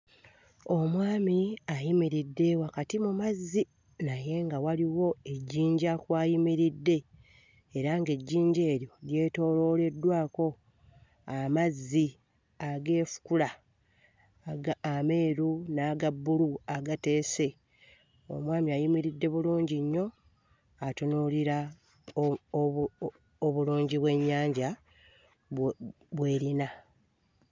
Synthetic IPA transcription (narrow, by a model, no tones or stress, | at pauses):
o̞mwaːmiajimiɾidːe̞wakatimumazːi | naje̞ːŋɡawaliwo̞e̞ɟːiːɲɟakwaːjimiɾidːe̞ | eɾaŋɡe̞ɟːiːɲɟe̞ːɾjo̞lje̞ːto̞ːlo̞le̞dːwaːko̞ | amazːi | aɡe̞ːfu̥kula | ame̞ːɾunaːɡabːuluaɡate̞ːse̞ | o̰mwaːmiajimiɾidːe̞βuluːɲɟiɲːo̞ | atonoliɾa | oβuluːɲɟiβwe̞ɲːaːɲɟa | βwe̞ːɾina